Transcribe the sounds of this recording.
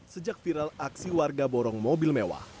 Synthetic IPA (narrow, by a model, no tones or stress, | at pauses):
səd͡ʒak̚fiɾalaksiwarɡabɔɾɔŋmɔbilmewa̰h